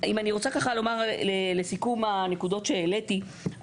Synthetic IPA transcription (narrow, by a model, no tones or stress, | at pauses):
imaniʁo̞t͡sakaχalo̞maʁlelesikumanekud̪o̞tʃe̞ːleti